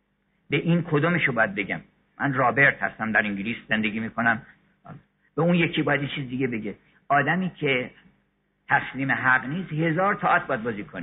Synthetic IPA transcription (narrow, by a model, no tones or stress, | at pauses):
be̞ʔiːnkʰod̪oːmeʃobɒːjæd̪̚be̞ɟæ̰m | mʔænrɒːbe̞ɾt̪hæ̰st̪æmd̪æɾiŋɟiliːsz̥e̞nd̪eɡiːmiːkʰo̞næm | bæunje̞cʰiːbɒːjæd̪jet͡ʃʰiːzid̪iɡe̞be̞ɟe | ɒːd̪æmiːcʰe̞ | t̪ʰæsliːmeɦæɢniːst̪he̞zɒːɾt̪ʰɒːʔæt̪̚bɒjæd̪̚bɒːziːkʰoni